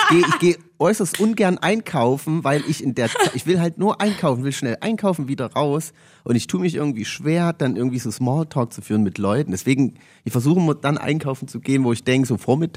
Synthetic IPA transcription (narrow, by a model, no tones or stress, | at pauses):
ɡ̥eːəɪçɡ̥eːə | ʔɔʏsɐstʔʊnɡɛɐnʔaɪnkʰaʊfn̩vaɪlʔɪçɪndeːɐt͡saʔɪçv̥ɪlɦaltnuːɐʔaɪnkʰaʊfn̩ɪçv̥ɪlʃnɛlʔa̰ɪnkʰaʊfn̩viːdɐʁaʊs | ʔʊntɪçtʰuːəmɪçʔɪɐɡŋ̩tv̥iːʃv̥eːɐd̥anʔɪ̰ɐɡŋ̩tv̥iːzoːsmaːltʰɔːk̚t͡sufyːʁənmɪtlɔʏtn̩dɛsv̥eːɡŋ̩ | ʔɪçfɛɐzuːχəmuːɐd̥anʔa̰ɪnkʰaʊfn̩t͡suɡeːənvoːɪçd̥ɛŋkəzoːfoːɐmɪtʰ